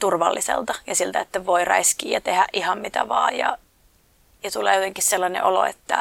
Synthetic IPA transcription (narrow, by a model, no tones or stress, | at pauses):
t̪urʋɑlːisḛlt̪ɑjɑsilt̪æet̪ːæʋoirɑ̰iskiːjɑt̪ehæʔʔihɑmmit̪æʋɑːjjɑ̰ | jɑt̪ulḛːjot̪eŋkisselːɑnḛʔolo̰ḛt̪ːæ